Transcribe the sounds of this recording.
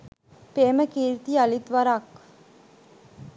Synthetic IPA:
peːməkiːɾt̪ialit̪ʋaɾak

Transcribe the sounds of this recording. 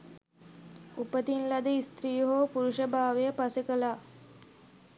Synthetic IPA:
upət̪inlad̪əist̪ɾijɦoːpuɾuʃəbʱaːʋejəpasekəlaː

